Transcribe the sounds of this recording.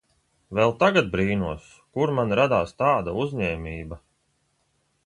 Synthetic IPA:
vɛlˠt̪aɡat̪̚bɾiːnuɔs | kuɾmanɾad̪aːst̪aːd̪auzɲɛːmʲiːba

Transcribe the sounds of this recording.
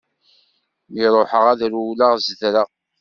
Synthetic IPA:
miɾˤoħəʁæðɾulaʁzðɾəʁ

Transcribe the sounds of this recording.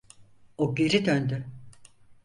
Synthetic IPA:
oɡe̞ɾid̪ønd̪y

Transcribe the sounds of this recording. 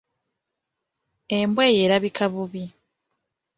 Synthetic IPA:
embweːjeːɾaβikʰaβuβi

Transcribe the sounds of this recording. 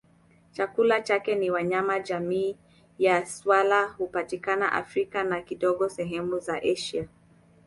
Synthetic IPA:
t͡ʃakulat͡ʃakɛniwaɲamaʄamiː | jaswalahupatikana̰ʔa̰fɾikanakiɗɔɠɔsɛɦɛmuzaʔɛʃia

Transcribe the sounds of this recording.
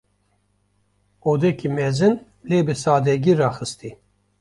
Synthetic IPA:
oːd̪ɛkʰimɛzɨn | leːbɨsaːd̪ɛɡirɑːxɨst̪i

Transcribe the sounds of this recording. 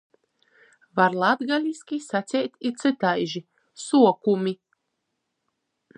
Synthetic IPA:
vaɾlˠad̪ɡalʲiskʲisasʲɛjt̪ʲit̪sɨt̪ajʒi | suɔkumʲi

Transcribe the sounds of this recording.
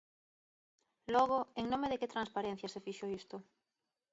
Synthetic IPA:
lɔɣ̞oeŋnõmeðeket̪ɾanspaɾẽn̟θjasefiʃoist̪ʊ

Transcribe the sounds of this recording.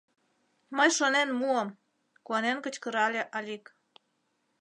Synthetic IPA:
məjʃonenmuəm | kuɑnenkət͡ɕkəɾɑlʲeʔɑlʲik

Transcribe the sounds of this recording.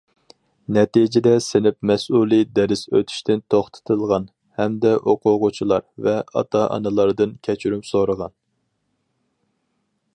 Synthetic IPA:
nɛt̪id͡ʒɪd̪ɛsɪnɪpmɛsulˠid̪ɛɾɪsøt̪ʰy̥ʃt̪ʰɪnt̪ʰoχt̪ʰɨ̥t̪ʰɨlˠʁɑn | hɛmd̪ɛʔoqʰʊʁʊt͡ʃʰilˠɑɾvɛɑ̰t̪ʰɑʔɑ̰nɨlˠɑɾd̪ɨnkʲʰɛt͡ʃʰyɾymsoɾəʁɑn

